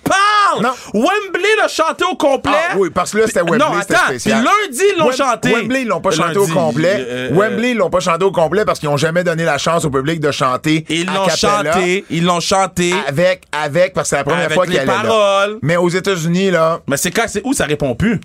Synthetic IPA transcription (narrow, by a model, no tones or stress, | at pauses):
palnɔ̃ | wɛmbleləʃɑ̃t̪eokɔ̃plɛwipaʁskəlse̥t̪ɛwwɛñleset̪eːsjallɛ̃ziilːɔ̃ʃɑ̃t̪wɛmbleilːɔ̃pɔʃɑ̃t̪eokɔ̃plɛwɛmbleilːɔ̃pʌʃɑ̃t̪eokɔ̃plɛpaʁskilɔ̃ʒamɛd̪ɔnelaʃɑ̃sopyblɪk̚d̪əʃɑ̃ːt̪eilːɔ̃kaʃãleilːɔ̃ʃɑ̃t̪eavɛkavɛk̚paskəsɛlapʁəmjɛːʁfwakialɛʁɔlmɛozet̪azynilʌmɛsɛkãsɛusaʁepɔ̃py